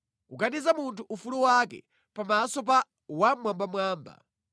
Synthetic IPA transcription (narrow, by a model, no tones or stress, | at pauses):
uɡanizamuntʰuʔufuluwakɛ̰ | pamasɔp̬a | wamwambamwaːmba̰